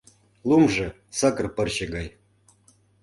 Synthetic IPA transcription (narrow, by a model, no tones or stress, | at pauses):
lˠumʐɘ̆ | sɑkɤ̆rpɤ̆rɕĕɡɑj